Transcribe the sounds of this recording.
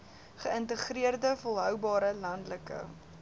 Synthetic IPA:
χəəntəχriərdəfolˠɦœwbɑːɾəlɐndləkə̰

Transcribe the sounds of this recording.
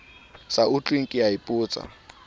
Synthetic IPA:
saʊt͡ɬʼweŋ̩kʼɪjaipʼʊːt͡sʼa̰

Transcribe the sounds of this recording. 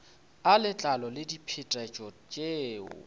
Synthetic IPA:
alɪt͡ɬʼalɔlɪdipʰɪtʼɛt͡ʃʼɔt͡ʃʼeːʊ̰

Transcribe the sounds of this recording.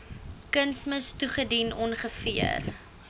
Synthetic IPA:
kənsməstuχədinɔnχəfiə̰r

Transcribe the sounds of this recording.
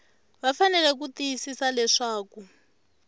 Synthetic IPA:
βafanɛlɛk̬ut̪ijisisalɛʂaːku

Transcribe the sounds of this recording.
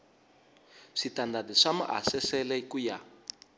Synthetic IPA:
ʂitandadiʂama̰ʔa̰sɛsɛlɛkuja

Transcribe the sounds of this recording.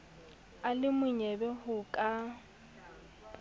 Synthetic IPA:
alɪmʊɲɛbɛhʊkʼa

